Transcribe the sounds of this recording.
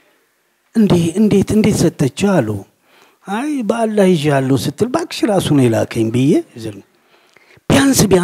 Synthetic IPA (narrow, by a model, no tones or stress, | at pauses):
ʔɨnd̪eɨnd̪e̞t̪ɨnd̪it̪sət̪ʼːət͡ʃːɛalːu | ajbəalːajɪʒjalːəwsɨt̪ʰʼːɨlbakʼʃiɾasunɛla̰kʰəjmbɨjːɛzɨl | b̥ijansɨba